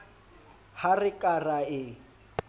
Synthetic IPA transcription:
harɪkʼaraɪ

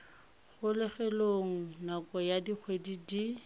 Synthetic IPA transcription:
ɣʊlɪχɛloŋ̩nakɔjadik͡xʰwedidi

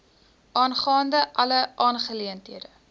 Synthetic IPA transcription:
ʔɑːnχɑːndəʔɐləʔɑːnχəliəntɦiədə

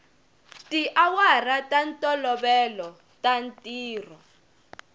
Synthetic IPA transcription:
tiʔawaratʼantʼɔlɔɓɛlɔ | tantʼiːrɔ

